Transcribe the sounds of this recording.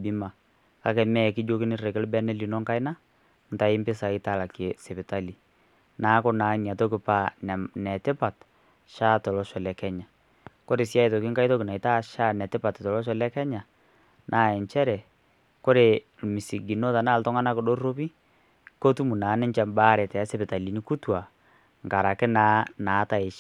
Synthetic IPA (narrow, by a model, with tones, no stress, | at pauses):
bi˦ma˨ | ka˦kɛ˨mɛ˦˨kɪ˦d͡ʒo˦kɪ˦nɪ˦rɛ˨kɪ˦lbɛ˦nɛ˦li˨nɔ˦ŋka˦ɪ˦na˦ | n̩˨ta˨ɪ˦mpɪ˦sa˨ɪ˦ta˨la˨ke˨sɛ˨pɪ˨ta˦li˨ | naː˨˦kɔ˦na˨ɲ˨a˨tɔ˦k̬ɪ˨pa˦n˨nɛ˨tɪ˦pa˨t | ʃa˦tɔ˨lɔ˦ʃɔ˨lɛ˨kɛ˦ɲa˨ | ko˦ɾe˨sja˦i˦tɔ˨kɪ˦ŋka˦ɪ˦tɔ˦kɪ˨na˨ɪ˨ta˦ʃa˦nɛ˨tɪ˦pa˨ttɔ˨lɔ˦ʃ̬ɔ˨˦lɛ˦kɛ˦ɲa˨ | nʔa˦˨ɛ˨ɲt͡ʃɛ˦ɾɛ˨ | ko˦ɾe˨ | lmi˨si˨ɡi˨no˦ta˨naː˦˨ltɔ˦ŋa˦na˦kɪ˨do˦ro˦pi˦ | ko˦tu˦mu˨naː˨˦nɪ˦ɲt͡ʃɛ˨mba˦ɾɛ˨tɛ˨a˦sɛ˦bɪ˨ta˨li˨ni˦ku˦twa˨ | ŋka˨ɾa˨kɪ˦naː˦naː˨˦ta˦ɪ˨ʃ